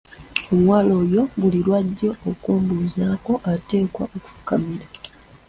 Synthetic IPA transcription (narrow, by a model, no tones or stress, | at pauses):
omwaːlo̞ːjo̞ɡulilwaɟːo̞ːkuːmbuːzaːko̞ʔate̞ːkwaoku̥fu̥kamiɾa